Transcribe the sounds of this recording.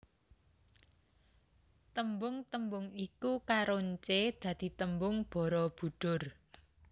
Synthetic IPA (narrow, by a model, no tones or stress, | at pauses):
t̪əmbʊŋt̪əmbʊŋikukaɾoɲt͡ʃed̪̥ä̤d̪̥i̤t̪əmbʊŋb̥ɔ̤ɾɔb̥ṳɖ̪̥ʊ̤r